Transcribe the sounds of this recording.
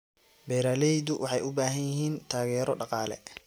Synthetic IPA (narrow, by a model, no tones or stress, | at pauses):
bɛːɾaːlɛjd̪ʊwʔɑħɑjʔʊbaːɦɐnjɪɦiːnt̪ʰaːɣɛːɾɔɖɑqɑːlɛ̰